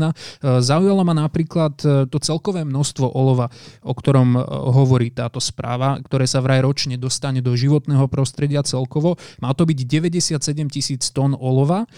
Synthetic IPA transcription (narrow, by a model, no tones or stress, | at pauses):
nazaujalamanapɾiːklat̪t̪ːɔt͡sɛlkɔʋɛːmnɔst̪ʋɔʔɔlɔʋaʔɔkt̪ɔɾɔmɦɔʋɔɾiːt̪aːt̪ɔspɾa̰ːʋakt̪ɔɾɛːsaʋɾajɾɔt͡ʃɲɛd̪ɔst̪aɲɛd̪ɔʒiʋɔt̪nɛːɦɔpɾɔst̪ɾɛɟɪat͡sɛlkɔʋɔmaːt̪ɔbiɟɟɛʋɛɟɛsɪat̪sɛɟɛmcisiːt͡st̪ɔnɔlɔʋa